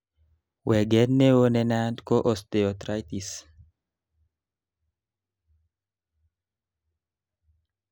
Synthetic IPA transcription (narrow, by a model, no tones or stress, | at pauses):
wɛɡɛnmewonɛnadkoʔɔst̪eot̪ɾajt̪is